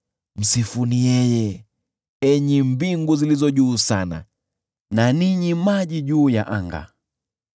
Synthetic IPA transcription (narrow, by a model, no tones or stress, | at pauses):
m̩sifunijɛjɛ | ɛɲimbiŋɡuzilizɔʄuːsana̰ | naniɲimaʄiʄuːjaʔaŋɡa̰